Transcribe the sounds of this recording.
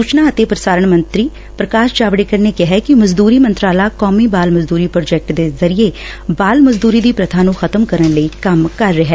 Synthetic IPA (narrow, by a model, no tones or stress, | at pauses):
suːt͡ʃnaːət̪epɾəsaːɾəɳ̃mə̃nt̪ɾiː | pɾəkaːʃt͡ʃaːʋɽekəɾnekeɦɛkimɐzd̪uːɾimə̃nt̪ɾaːlaːkɔːmibaːlməzd̪uːɾiːpɾoːd͡ʒɛk̚ʈd̪ezɐɾie | baːlməzd̪uːɾiːd̪iːpɾɐt̪ʰaːnũːxɐt̪əmkəɾənləikɐmkɐɾːɪɦɛː